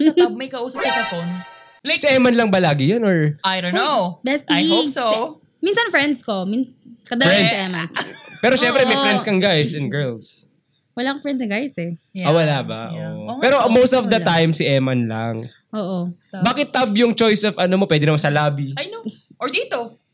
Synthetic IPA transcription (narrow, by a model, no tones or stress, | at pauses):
mɐjkɐʔuːsɐp̚ɛkɐfon | sɪʔɛmɐnlɐŋbɐlaːɡɪjanɔɹajdonobɛsajihopso | minsɐnfɹɛnd̪skominkɐd̪ɐfɹɛnd̪sɛmɐpɛːɾoʃɛmpɾɛmɐjfɾɛnd̪skɐŋɡajsɛnɡɛ˞ls | wɐlaːkofɹɛnd̪snɐɡajsɛawɐlaːbɐ̰ʔo̰ʔoɛːɾomowst̪ɔvd̪ɐt̪ajmsɪʔɛmɐnlɐŋ | ʔoːʔobaːkɪt̪ːɐbjʊŋt͡ʃojsɔvɐnomopwɛːd̪ɪnɐmɐsɐlaːbiajnoʔɔd̪iːt̪o